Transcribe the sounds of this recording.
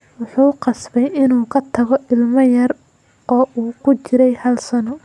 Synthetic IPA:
wʊħuːqɑsbɛjɪnuːkʰɐt̪ʰɐɣɔʔɪlmɐjɐr | ɔːʔuːkʰʊt͡ʃɪɾɛjhɐlsɐnɔ

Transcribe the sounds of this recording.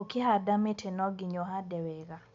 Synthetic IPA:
kɪɦadamɪtʰenɔɡɪɲoɦadɛwɛɡa

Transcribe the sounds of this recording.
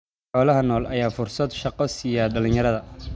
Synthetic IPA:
ħɔːlɐɦɐnɔːlɐjaːfʊrsɐd̪ʃɑqɔsijaɖɐlɪ̃njɐɾɐðɐ

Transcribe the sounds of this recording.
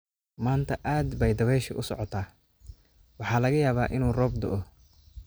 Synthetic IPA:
maːnt̪ʰɐʔaːd̪bɛjd̪ɐβɛːʃɪʔʊsɔʕɔt̪ʰaː | wɑħɑːlɐɣɐjaːβaːʔɪnuːrɔːb̚d̪ʊ̰ʔɔ

